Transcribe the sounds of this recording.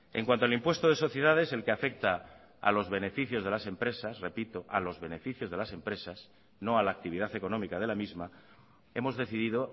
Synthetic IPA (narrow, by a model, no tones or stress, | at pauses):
e̞̰ŋkwant̪oalimpwe̞st̪oð̞e̞so̞θje̞ð̞að̞e̞se̞lkeafe̞k̚t̪a | a̰lo̞zβe̞ne̞fiθjo̞zð̞e̞lase̞mpɾe̞sasre̞pit̪oʔalo̞zβe̞ne̞fiθjo̞zð̞e̞lase̞mpɾe̞sas | no̞alaːk̚t̪iβið̞aθe̞ko̞nõ̞mikað̞e̞lamizma | e̞mo̞zðe̞θiðiðo